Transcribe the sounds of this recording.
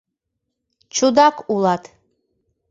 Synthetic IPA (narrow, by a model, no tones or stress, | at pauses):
t͡ʃʰud̪akʷʰulˠat̪ʰ